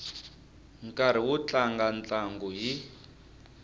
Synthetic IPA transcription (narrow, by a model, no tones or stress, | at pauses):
ŋkʼaɾ̤iwut͡ɬaŋɡant͡ɬaŋɡuɦi